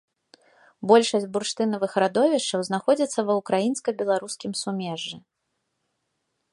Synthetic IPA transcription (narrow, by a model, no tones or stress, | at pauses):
bɔlʲʂɐsʲtʲburʂt̪ɨnɐvɨxɾad̪ɔvʲɛʂt͡ʂɐwznaxɔd͡zʲɐt̪sːɐvɐwkɾajinskɐbʲɛlˠaɾuskʲimsumʲɛʐːɨ